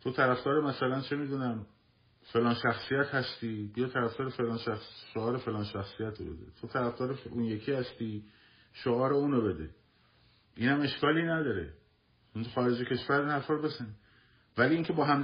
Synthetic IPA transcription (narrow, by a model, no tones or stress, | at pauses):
t̪ʰo̞t̪ʰæɾæfd̪ɒːɾemæsælænt͡ʃʰe̞miːd̪uːnæm | fe̞lɒːnʃæxsijæt̪hæst̪iːbijɒt̪ʰæɾæft̪ɒːɾefelɒːnʃæxsʃoɒːɾefe̞lɒːnʃæxsijæt̪ʰobe̞̰d̪ḛt̪ʰot̪ʰæɾæfd̪ɒːɾeuːnje̞kʰiːhæst̪iː | ʃoɒːɾeuːnobe̞d̪ḛ | iːnhæme̞ʃkʰɒːliːnæd̪ɒːɾḛ | onxɒːɾe̞d͡ʒecʲʰe̞ʃvæɾiːnhæɾfɒːɾobe̞zæni | væliːiːŋcʰe̞bɒːɦæm